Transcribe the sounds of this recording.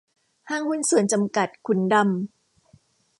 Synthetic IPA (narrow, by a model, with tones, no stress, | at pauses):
haː˥˩ŋhu˥˨nsu˨˩˦ənt͡ɕa˧mka˨˩t̪̚kʰu˩˦nda˧m